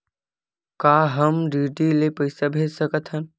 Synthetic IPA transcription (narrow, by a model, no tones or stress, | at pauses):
kaːɦəmɖiːɖilepəjsabʱeːd͡ʒsəkət̪ʰɦən